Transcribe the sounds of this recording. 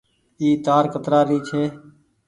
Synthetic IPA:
iːt̪aːɾkət̪ɾaːɾiːt͡ʃʰeː

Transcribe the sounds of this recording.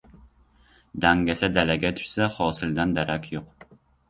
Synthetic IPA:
d̪æŋɡʲɛsɛd̪ɛlɛɡʲɛt̪ʰy̥ʃsɛχɑːsɨld̪ɛnd̪ɛɾɛkʲjoq

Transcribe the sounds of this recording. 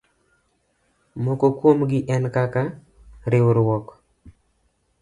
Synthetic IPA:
mɔkɔkwomɡɪʔɛnkaka | ɾewɾwɔk

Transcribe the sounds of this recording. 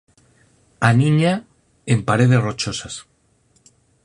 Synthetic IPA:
anĩɲa | empaɾe̞ð̞e̞srot͡ʃosas

